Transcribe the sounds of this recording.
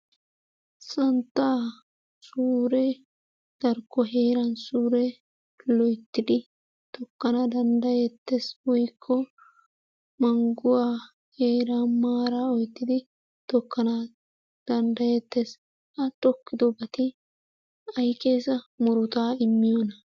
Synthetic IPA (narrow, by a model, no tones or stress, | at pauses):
sɐnt̪ːaː | suːɾɛ | d̪̥ɐɾkːɔɦe̞ːɾɐnsuːɾɛ | lɔjt̪ːɪd̪ɪ | t̪ɔkːɐnɐd̪ɐnd̪ɐjɛt̪ːeswɔjkʰːɔ | mɐŋɡʊwaː | heːɾamaːɾaɔjt̪ːɪd̪ɪ | t̪ɔkːɐna | d̪̥ɐnd̪ɐjɛt̪ːes | ɐt̪ʼɔkːɪd̪ɔbɐt̪ɪ | ɐjkʼeːsɐmʊɾʊt̪aːɪmːɪjɔnɐ